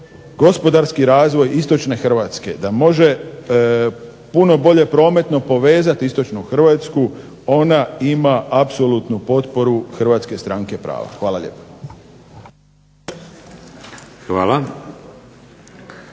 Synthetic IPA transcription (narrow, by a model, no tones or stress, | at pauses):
ɡo̞spo̞d̪aɾskiɾaːzʋo̞jist̪o̞t͡ʃne̞xr̩ʋat̪ske̞d̪amo̞ʒe̞ | puno̞bo̞ʎe̞pɾo̞ːme̞t̪no̞po̞ʋe̞ːzat̪ist̪o̞t͡ʃnuxr̩ʋaːt̪sku | o̞naimaapso̞lut̪nupo̞t̪po̞ɾuxrʋaːt̪ske̞st̪ɾaŋke̞pɾa̰ːʋa̰xʋaːlaʎḛːpḁ | xʋaːla